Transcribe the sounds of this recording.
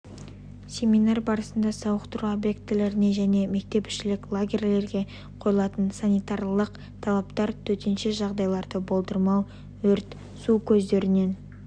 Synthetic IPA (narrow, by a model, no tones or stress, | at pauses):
sʲe̞mijnarbɑɾəsənd̪ɑsɑwəqt̪əɾuobjek̚t̪ːɪle̞ɾɪne̞ʒæne̞me̞k̚t̪e̞pɪ̥ʃɪlɪkʲlˠaɡʲerʲle̞ɾɡʲe̞ | qʰo̞jəlˠɑt̪ənsanijt̪aɾlˠəq | t̪ʰɑlˠɑpt̪ɑɾt̪ʰɵt̪enʃeʒɑʁd̪ɑjlˠɑɾd̪əbo̞lˠd̪əɾmɑwˠ | wɵɾt̪ | sukʲʰɵzd̪e̞ɾɪne̞n